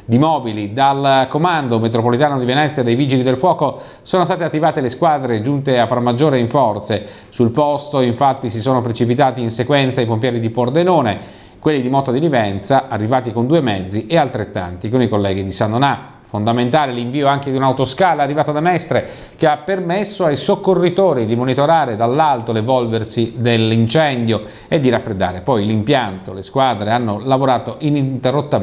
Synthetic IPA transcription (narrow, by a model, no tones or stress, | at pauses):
d̪imɔːbilid̪alkomand̪omet̪ɾopolit̪aːnod̪ivenɛt̪sːjad̪ejviːd͡ʒilid̪elfwɔːko | soːnost̪aːt̪eat̪ːivaːt̪eleskwad̪ɾed͡ʒunt̪eapːɾamːad͡ʒːoːɾeiɱfɔrt̪se | sulpɔst̪oiɱfat̪ːisisoːnopɾet͡ʃipit̪aːt̪iːnsekwɛnt̪saipompjɛːɾid̪ipord̪enoːne | kwelːid̪imɔt̪od̪ilivɛnt̪saʔarːivaːt̪ikond̪uːemɛd̪zːiʔealt̪ɾet̪ːa̰nt̪ikonikolːɛːɡid̪isanːona | fond̪ament̪aːleliɱviːoaŋked̪iunawt̪oskaːlaːrːivaːt̪ad̪amɛst̪ɾe | keapːermesːoajsokːorːit̪oːɾid̪imonit̪oɾaːɾed̪alːalt̪olevɔlversid̪elint͡ʃɛnd̪jo | ed̪ːiɾafːɾed̪ːa̰ːɾepɔjlimpjant̪oleskwaːd̪ɾeanːolavoɾaːt̪oʔinit̪erːot̪ːa